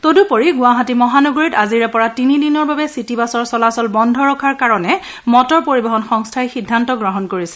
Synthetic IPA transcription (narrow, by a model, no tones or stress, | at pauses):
todupoɹiɡʊaɦatimɔɦanɔɡoɹitaziɹɛpɔɹatinidinɔɹbabɛsitibasɔɹsɔlasɔlbɔndʱɔɹɔkʰaɹkaɹɔnɛ | mɔtɔɹpoɹibɔɦɔnxɔŋstʰajxidʱːantɔɡɹɔɦɔnkoɹisɛ̥